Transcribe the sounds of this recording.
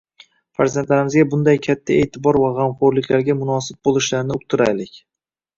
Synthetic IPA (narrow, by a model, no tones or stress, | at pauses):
faɾzant̪laɾɪmɪzɡʲabʊnd̪ajkʲʰat̪ʰːae̞ːt̪ʰɪbɒɾvaʁamχoɾlɪkʲlaɾɡʲamʊnɒsɪb̚bolˠɪʃlaɾnɪʊk̚t̪ʰʊɾajlɪkʲ